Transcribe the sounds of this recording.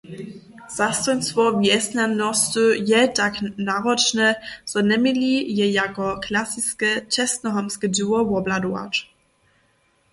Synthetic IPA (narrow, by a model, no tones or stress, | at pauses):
z̥ast̪ɔnsfɔviɛsnanɔstøjɛdaknaʁɔt͡ʃnəz̥ɔnɛmilijɛjakɔkʰlasiskət͡ʃɛstnəɦɔmskəduɐwɔbladwa̰t